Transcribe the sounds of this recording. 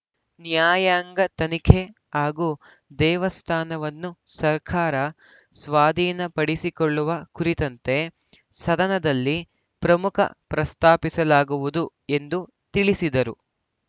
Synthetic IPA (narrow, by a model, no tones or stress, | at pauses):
njaːjaːŋɡɐt̪ɐnikʰe | ɦaːɡuː | d̪ɛːʋɐst̪ʰaːnɐʋɐnːusɐɾkʰaːɾɐ | sʋaːd̪ʱiːnɐpɐɽisikɔɭːuʋɐkuɾit̪ɐnt̪e̞ | sɐd̪ɐnɐd̪ɐlːi | pɾɐmukʰɐ̰pɾɐst̪aːpisɐlaːɡuʋud̪u | e̞nd̪u | t̪iɭisid̪ɐɾu